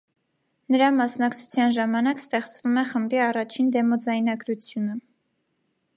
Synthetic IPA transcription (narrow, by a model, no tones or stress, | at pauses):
nəɾɑmɑsnɑkt͡sʰu̥t͡sʰjɑnʒɑmɑnɑkst̪ɛχt͡svumɛχəmbiɑrɑt͡ʃʰind̪ɛmɔd͡zɑjn̪ɑɡɾut͡sʰjunə